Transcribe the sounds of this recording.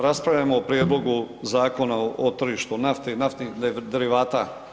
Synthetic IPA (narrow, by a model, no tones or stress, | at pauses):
ɾaspɾaʋʎʲamoopɾjed̪lˠo̞ɡuzaːko̞naot̪r̩ʒiːʃt̪unaft̪inaft̪nixd̪d̪eɾiʋaːt̪a